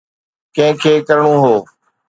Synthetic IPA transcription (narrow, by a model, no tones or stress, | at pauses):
kɐ̃ɦɪ̃kʰeːkɐɾɳ̃ũːɦoː